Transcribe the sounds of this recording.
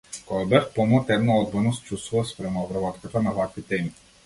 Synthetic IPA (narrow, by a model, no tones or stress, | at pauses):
kɔɡabɛfpɔmɔt̪ɛd̪naɔd̪̚bɔnɔst͡ʃust̪vuvaspɾɛmaɔvɾavɔt̪kɔt̪ɔnavakvit̪ɛmi